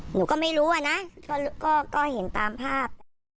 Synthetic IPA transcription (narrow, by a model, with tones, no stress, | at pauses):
nuː˩˦kɔː˥˩ma˥˩jɾuː˦˥a˨˧˨na˦˥kɔː˥˩u˧kɔː˥˩kɔː˥˩he˩˦nt̪aː˨mpʰaː˥˩p̪̚ː